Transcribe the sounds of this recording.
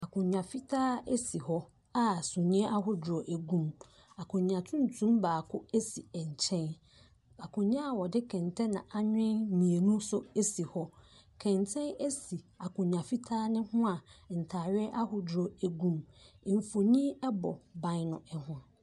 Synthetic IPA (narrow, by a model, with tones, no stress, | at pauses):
a˨kʰʊ̃˨ɲã˨fi˦tʰaː˦e˦si˨hɔ˦ | a˦˨sʊ̃˨ɲĩ˦ɛ˦ʔa˦ɦʊ˨dɾɔ˨ʔæ˨ɡũ˦m | a˨kʰʊ̃˨ɲã˨tʰũ˦n˦tʰũ˦mbaː˨kʰʊ˦e˦si˨ɛ˨ɲ˨t͡ɕʰɛ̃˦n | a˨kʰʊ̃˨ɲã˦a˨wɔ˨dɪ˦kʰɛ̃˨ntʰɛ̃˦nã˨ʔa˦ɲᶣɪ̃˦nnĩ˨e˨nũ˦sʊ˦e˦si˨hɔ˦ | kʰɛ̃˨ntʰɛ̃˦ne˦si˨a˨kʰʊ̃˨ɲã˨fi˦tʰaː˦nɪ̃˦hʊ̃˦a˨n̩˨tʰaː˨ɾɥɪ˦ʔa˦hʊ˨dɾɔ˨æ˨ɡũ˦m˦˨ɱ˨fo˨ɲĩ˦ɛ˦bɔ̰˨bã˦nʊ̃˨ɛ˨hʊ̃˦a˨